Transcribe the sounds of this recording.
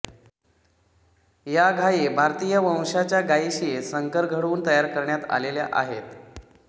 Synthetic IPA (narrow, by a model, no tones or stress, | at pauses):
jaɡʱajebʱaɾt̪ijəʋə̃w̃ʂat͡ɕjaɡaiɕiesəŋkəɾɡʱəɽuːnt̪əjaɾkəɾɳjat̪a̰lelja̰ʔa̰ɦet̪